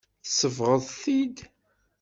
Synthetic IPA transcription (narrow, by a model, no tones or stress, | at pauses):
θəsəvʁəðˤθid̪